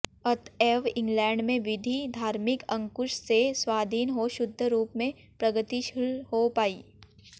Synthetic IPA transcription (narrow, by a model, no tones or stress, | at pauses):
ɐt̪ʰeːʋɪ̃ŋɡlɛːɳɖmẽʋɪd̪ʱid̪ʱaːɾmɪkɐ̃ŋkʊʃseswaːd̪ʱiːnɦoʃʊd̪ʱːəɾuːpmẽ | pɾɐɡət̪iʃɪlhopaːiː